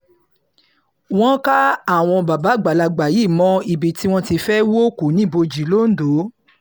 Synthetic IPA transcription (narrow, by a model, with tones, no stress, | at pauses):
w̃ɔ̃˦ka˦a˦˨w̃ɔ̃˧ba˨ba˨˦˨ɡ͡ba˨la˧ɡ͡ba˨ji˨˦˨mɔ̃˧˦i˨bi˨ti˦w̃ɔ̃˦ti˧fɛ˦wo˦ku˨˦nĩ˦bo˧d͡ʒi˨˦lo˦n̩˦do˨˦